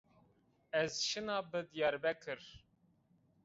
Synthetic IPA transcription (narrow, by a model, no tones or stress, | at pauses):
ɛzʃɨnɑːbɨd̪jɑɾbɛkʰɨɾ